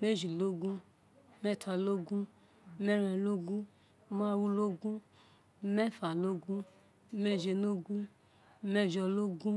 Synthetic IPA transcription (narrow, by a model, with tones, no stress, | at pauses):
me˦ʒi˨lo˦ɡũ˦ | mɛ˦˨tʰa˧lo˦ɡũ˦ | mɛ˦ɾɛ˧lo˦ɡũ˦ | ma˦wu˦lo˦ɡũ˦ | mɛ˦˨fa˨lo˦ɡũ˦ | me˧ʒe˧no˦ɡũ˦ | mɛ˧˨ʒɔ˧lo˦ɡũ˦